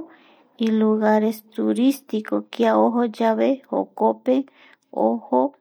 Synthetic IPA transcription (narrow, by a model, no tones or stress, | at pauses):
iluɣaɾest̪uɾist̪ikokiaoɦod͡ʒaβe̞ho̰kope̞ | o̰ho